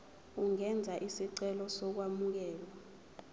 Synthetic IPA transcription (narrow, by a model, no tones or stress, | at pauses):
uŋɛnd͡zʱaʔisiǀɛlɔsɔk̬wamuk̬ɛːlwa